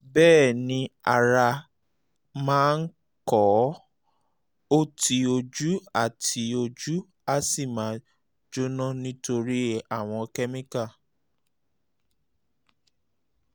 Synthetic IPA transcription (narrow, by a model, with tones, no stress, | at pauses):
bɛː˦˨nĩ˧˦a˧ɾa˧ | mãː˦n̩˦ | kɔ˨˦ | o˦tʰi˧o˧d͡ʒu˦a˦˨tʰi˨˧˦o˧d͡ʒu˦ | a˦si˦˨mã˨˦ | d͡ʒo˦nã˦nĩ˦to˧ɾi˦a˨w̃ɔ̃˧kɛ˦mĩ˦ka˦˨